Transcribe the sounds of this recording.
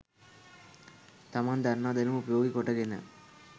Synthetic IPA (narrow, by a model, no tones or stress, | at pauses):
t̪ɐmaːnd̪ɐɾnaːd̪ɐlɯmʊpɐjoːɡikːɔʈːɐɣɪnːɐ̰